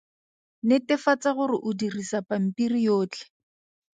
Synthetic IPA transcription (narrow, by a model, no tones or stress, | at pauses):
nɪtɪfat͡saɣʊrɪʔʊdirisapam̩pirijoːt͡ɬɛ̥